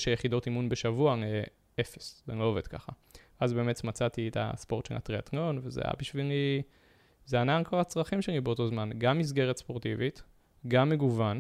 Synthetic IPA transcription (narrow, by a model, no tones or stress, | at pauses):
ʃejeχido̞timunbeʃavuae | efeszeloove̞d̥ka̰χavazbe̞ːme̞tmat͡sat̪ietʰa̰spo̞ʁtʃela̰tʁiatno̞nvezḛja̰biʃvili | zeanankoʁat͡sʁaχimʃenibeoto̞zmanɡamːis̬ɡe̞ʁet̪spo̞ʁtivit | ɡamːeɡuvan